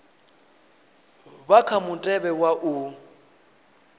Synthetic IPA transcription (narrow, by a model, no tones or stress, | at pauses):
bakʰamʊtʼɛbɛwaʔʊ